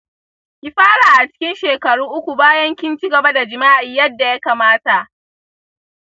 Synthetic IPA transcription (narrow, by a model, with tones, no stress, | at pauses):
kʲi˦˨ɸaː˦ɽaː˨ʔa˨t͡ʃɪ̥˦kʲɪ˦nʃeː˨kɐ˨ɽuː˦ʔʊ˦kʷu˨baː˦jɐ˦ŋkʲɪ˦nt͡ʃi˦ɡɐ˨ba˦da˨d͡ʒɪ˨maː˦ʔɪ˨jɐ˦dːa˨ja˦kaː˨maː˦ta˨ʔ